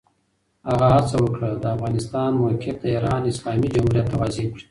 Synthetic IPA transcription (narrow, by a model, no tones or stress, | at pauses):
haɣahat͡sawəkɽəd̪əafɣɑnɪst̪ɑnmokʰɪfd̪əiɾɑnɪslɑːmid͡ʒamhuɾjat̪ːawazekɽi